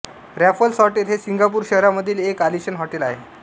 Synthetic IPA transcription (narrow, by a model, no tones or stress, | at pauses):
ɾæfəlsɔʈet̪ʰesiŋɡapuːɾɕəɦɾaməd̪ʱiːlekaliɕənɦɔʈelaɦe